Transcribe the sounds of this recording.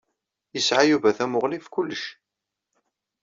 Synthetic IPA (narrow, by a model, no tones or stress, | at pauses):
jəsʕajuvæθæmʊʁlifkʊlːəʃ